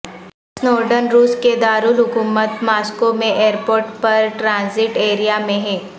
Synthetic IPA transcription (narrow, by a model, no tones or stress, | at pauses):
snɔːɾɖənɾuːsked̪aːɾuːlɦʊkuːmət̪maːskomẽʔeːɾpoːɾʈpɐɾʈɾãːzɪʈeːɾijamẽɦɛː